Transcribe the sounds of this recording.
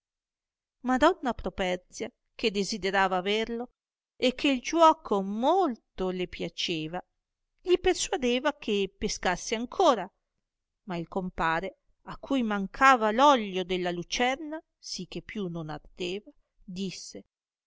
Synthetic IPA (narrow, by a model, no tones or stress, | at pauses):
mad̪ɔnːapɾopɛrt̪sja | k̟ed̪ezid̪eɾaːvaːveɾlo | ekːeild͡ʒwɔːkʰomolt̪olepjat͡ʃeːva | ʎipersuad̪eːvakʰepeskasːeaŋkʰoːɾa | mailkompaːɾe | akʰːujmaŋkʰaːvalɔʎːod̪elːalut͡ʃɛrna | sik̟ːepːjunona̰rd̪eːva | d̪isːe